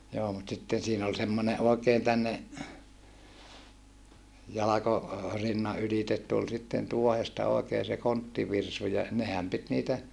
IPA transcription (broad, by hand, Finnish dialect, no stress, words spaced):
joː mut sitːen siːn ol semːone ʔoˑekeːn tænːe jɑlɑko rinːɑ ylitet tul sitːen tuohestɑ oˑekeː se kontːiʋirsu jɑ nehæm pit niːtæ